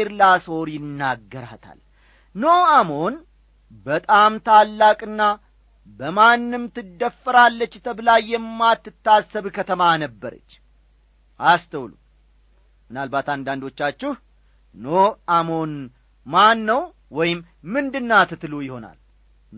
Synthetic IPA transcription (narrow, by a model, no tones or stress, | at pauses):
ɾlaso̞ɾjɪnːaɡːəɾa̰t̪ʰa̰l | noamo̞n | bət̪ʼamt̪ʰalːakʼɨnːa | bəmanːɨmt̪ʰɨd̪ːəfːəɾalːət͡ʃːt̪ʰəblajːɛmːat̪ːɨt̪ːasːəβkʰət̪ʰəmanəbːəɾə̰t͡ʃː | ʔast̪ʰəwlu | mɨnalbat̪and̪and̪o̞t͡ʃːat͡ʃːɪh | noamo̞n | manːəw | wɔjɪmː | ɨnd̪ɨnːat̪ʰɨt̪ʰlujɪho̞na̰l